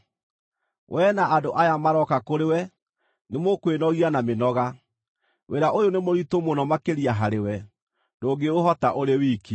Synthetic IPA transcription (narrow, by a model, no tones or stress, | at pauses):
wʔɛːnaʔadoʔajamaɾɔkakoɾewɛ | nemokwenɔɣianamenɔɣa | weɾaʔojonemoɾitomonɔmakeɾiaɦaɾewɛ | doːɡeoɦɔtaʔoɾewiːki